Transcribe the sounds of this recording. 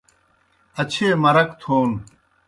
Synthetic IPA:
ɐt͡ɕʰeːmɐɾɐkt̪ʰoːn

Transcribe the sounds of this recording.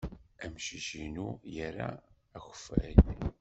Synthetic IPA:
æmʃəʒinujəɾaː | xə̥fæl

